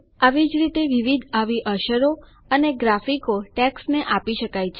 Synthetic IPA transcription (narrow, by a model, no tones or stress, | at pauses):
aʋid͡ʒɾit̪eʋiʋid̪ʱaʋiʔəʃəɾo | əneɡɾafikoʈɛksneʔapiʃəkajt͡ʃʰe